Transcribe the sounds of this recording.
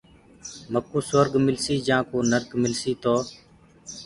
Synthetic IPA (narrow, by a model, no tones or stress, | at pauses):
məkuːsəɾɡmɪlsiːd͡ʒãːkoːnəɾk̪mɪlsiːt̪oː